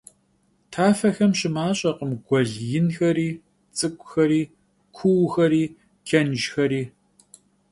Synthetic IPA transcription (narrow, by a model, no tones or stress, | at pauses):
tʰaːfɐxɐmɕɪmaːɕʼɐqəmɡʷɔɮjɪnxɐɾiː | t͡sʼɨkʷʼxɐɾiː | kʷʰʊwxɐɾiː | kʰɐnʒxɐɾiː